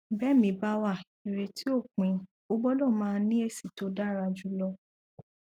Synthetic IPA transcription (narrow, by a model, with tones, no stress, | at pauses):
bɛ˦˨mĩ˨˦ba˦wa˦˨ | i˨ɾe˨tʰi˦o˦˨kĩ˨˦ | o˦ɡ͡bɔ˦lɔ˦˨mãː˦˧˦nĩ˦e˦˨si˨to˨˦da˦˨ɾa˧d͡ʒu˦lɔ˧